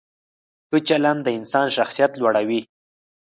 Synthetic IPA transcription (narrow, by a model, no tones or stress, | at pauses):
kət͡ʃaland̪əɪnsɑnʃaxsijat̪lwaɽawi